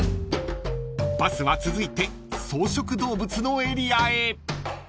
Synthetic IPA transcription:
basɨβat͡sɨzɨit̪e̞ | so̞ːɕo̞kɯ̟d̪o̞ːbɯ̟t͡sɨno̞e̞ɾʲiae

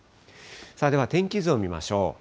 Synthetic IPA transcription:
saːd̪e̞βat̪ẽ̞ŋkʲizɨo̞mʲima̰ɕo̞̰ː

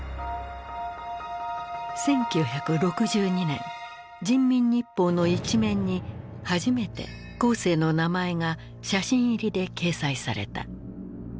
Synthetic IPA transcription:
sẽ̞ŋkʲɨːçakɯ̟ɾo̞kɯ̟ʑɨːɲ̟inẽ̞̰ŋ | d͡ʑĩmːʲĩɲːipːo̞ːno̞it͡ɕimẽ̞ɲ̟ːi | haʑime̞t̪e̞̰ | ko̞ːse̞ːno̞namae̞ŋa | ɕaɕĩɰ̃iɾʲid̪e̞ke̞ːsaisa̰ɾe̞̰t̪a̰

